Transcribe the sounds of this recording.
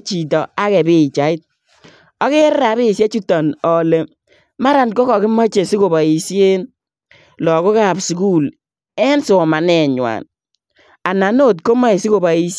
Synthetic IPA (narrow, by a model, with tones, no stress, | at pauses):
t͡ʃi˨tɔ˨a˦kɛ˨bɪ˦˨t͡ʃa˨˦ɪ˦t̚ | ɔ˦ke˦ɾɾa˨bɪ˦˨se˦t͡ʃu˦tɔ˨nɔ˨le˨ | ma˦ɾa˨nkɔ˦kɔ˨kɪ˦mɔ˦t͡ʃe˨sɪ˦ko˨ba˨i˨sje˦n | lɔ˨ko˦ka˦˨psku˦˨l | ɛ˦nso˨ma˨nɛ˨ɲwa̰˨n | a˨na˨no˦˨tko˦ma˦i˨sɪ˦ko˨ba˨i˨˦s